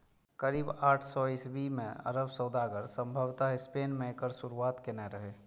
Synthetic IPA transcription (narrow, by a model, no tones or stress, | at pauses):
kəɾiːbaːʈʰsɔɪsbimḛ̃ə̰ɾəbsəd̪aːɡəɾsə̃mbʱəʋt̪aɦɪspeːnmẽekəɾsʊɾuaːt̪kenɛɾəɦeː